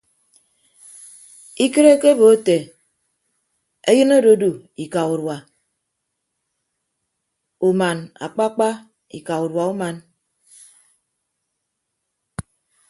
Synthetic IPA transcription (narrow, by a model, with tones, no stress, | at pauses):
i˦ke˦ɾe˦ke˦bo˨o˦te˨ | e˦jɨ˦no˦do˦du˨i˨ka˨u˨ɾwa˨ | u˨ma˨na̰˨k͡pa˦k͡pa˦ | ḭ˨ka˨u˨ɾwa˨u˦ma˨n